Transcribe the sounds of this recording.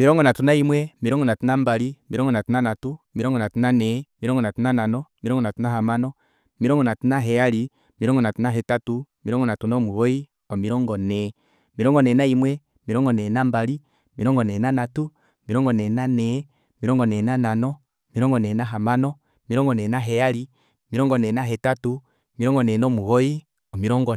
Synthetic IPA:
miɾɔŋɡɔnatunaimwɛmiɾɔŋɡɔnatunambaɾimiɾɔŋɡɔnatunanatumiɾɔŋɡɔnatunanɛmiɾɔŋɡɔnatunananɔmiɾɔŋɡɔnatunaɦamanɔ | miɾɔŋɡɔnatunaɦɛaɾi | miɾɔŋɡɔnatunaɦɛtatumiɾɔŋɡɔnatunamuwoi | ɔmiɾɔŋɡɔnɛ | miɾɔŋɡɔnɛnaimwɛmiɾɔŋɡɔnɛnambaɾi | miɾɔŋɡɔnɛnanatu | miɾɔŋɡɔnɛːnanɛ | miɾɔŋɡɔnɛːnananɔ | miɾɔŋɡɔnɛnaɦamanɔ | miɾɔŋɡɔnɛnaɦɛjaɾi | miɾɔŋɡɔnɛnaɦɛtatu | miɾɔŋɡɔnɛːnɔmuɣoi | ɔmiɾɔŋɡɔ

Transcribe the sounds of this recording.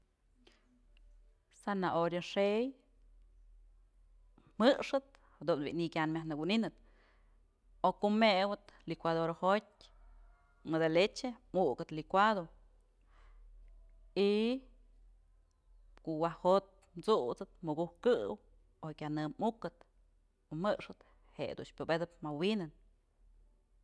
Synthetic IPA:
sanaʔoɾjoʂej | mɨʂɨt̪̚hd̪unbḭʔnikʲanmʲahnɨkuninɨt̪ | okumewɨt̪likʷad̪oɾhotʲ | mɨd̪alet͡ʃemukɨt̪likʷad̪o | i | koʔwahot̪̚mt͡suʔt͡sɨt̪mɨɡuhkɨw | okʲanɨmmukːɨt̪ | omɨʔʂɨt̪ | heʔd̪ṵnʃpʲobed̪ɨpmawinɨn

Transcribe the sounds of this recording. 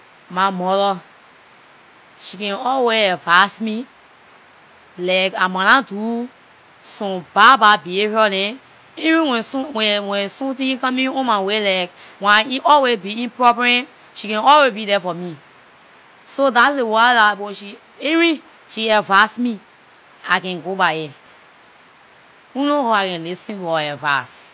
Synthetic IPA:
mamɔɾɔ | ʃikɛ̃nɔlweɛvasmi | lakamãnãtu | sɔ̃bababiehɔlɛ̃ | iɹĩwɛ̃sũwɛwɛ̃sũtĩkãmĩõmãwelak | wãiʔɔlwezbiĩnpɹɔpɹɛ̃ | ʃikɛ̃nɔlwezbidɛfɔmi | sodatsewadaboʃi | eɹĩ | ʃiɛvasmi | akɛ̃nɡobajɛ | unohoakɛ̃nlisĩntuɔɛva̰s

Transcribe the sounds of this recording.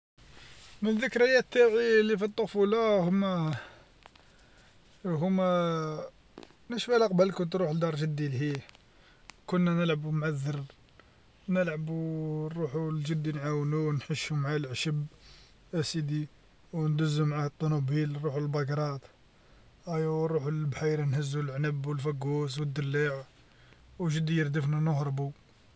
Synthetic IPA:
mənəðːəkɾəjæt̪ːaʕilːifit̪ˤːofulɑhʊmæ | ɦʊmæ | nəʃfælæqbəlkʊnt̪ɾuħəld̪ɑɾˤʒəd̪ːilhi | kʊnːænəlʕəbumʕaðːəɾ | nəlʕəbuˤuħulʒəd̪ːinʕawnuwnħəʃumʕalʕʃəb | ʔæsid̪i | wnd̪əzːumʕaht̪ˤːunubilɾˤuħulbɑɡɾˤɑt̪ | ʔæjɾˤuħulbħijɾnhəzːulʕnəbːwəlfæɡus̬wəd̪ːəlːaʕ | wʒəd̪ːijəɾd̪əfnænʊhɾˤbu

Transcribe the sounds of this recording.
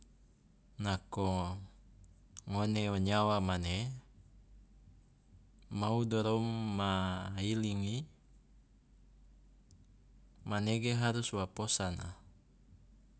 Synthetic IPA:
nako | ŋoneoɲawamane | maudoɾomːailiŋi | maneɡeɦaɾuswaposana̰

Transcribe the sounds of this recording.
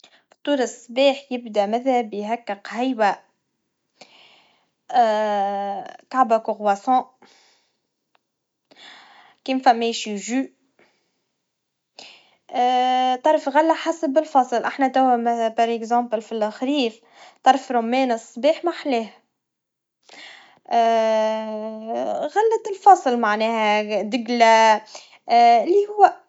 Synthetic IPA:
ft̪ˤːuːɾɑsˤːbiːħjɪbd̪æmæðæbɪjɦækːɪqhajwæ | kaʕbækʊɣwasɑ̃ | kiːmfæmːɛjʃʒy | t̪ˤɑɾˤfɣalːaħasəbɪlfɑsˤlʔaħnæt̪æwːæmpɑɾˤɛɡzɑ̃ːplfilxɾiːf | t̪ˤɑɾˤfɾomːɛːnəsˤːbiːħmaħlɛːh | ɣalːæt̪ɪlfɑsˤlmaʕnɛːhæd̪ɪɡlæ | ɪlːihʊwːæ

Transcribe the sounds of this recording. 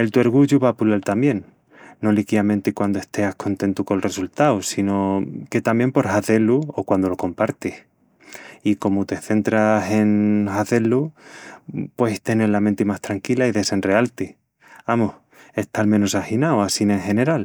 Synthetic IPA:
e̞lt̪ue̞ɾɣ̞uʝuβapulalt̪ambje̞nː | o̞likiamẽ̞nt̪ikwand̪oe̞hst̪e̞ahkʰo̞nt̪e̞nt̪ukoelre̞sult̪awsino̞ke̞t̪ambje̞mpo̞ɾhaθe̞luokwand̪olo̞ko̞mpaɾt̪ih | iko̞mot̪e̞θe̞nt̪ɾase̞nxaθe̞lu | pwe̞it̪e̞ne̞ɾlament̪emast̪ɾaŋkilaiðe̞se̞nre̞alt̪i | amoh | e̞ht̪almẽ̞nosaxinawasine̞ŋxe̞ne̞ɾal

